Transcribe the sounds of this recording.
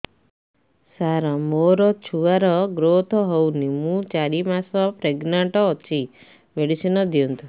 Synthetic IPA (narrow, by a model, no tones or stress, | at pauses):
saɾamoɾɔt͡ʃʰuʋaɾɔɡɾot̪ʰɔɦɔwnimũt͡ʃaɾimasɔpɾeɡnaɳʈɔːt͡ʃʰi | meɽisinɔd̪iɔnt̪u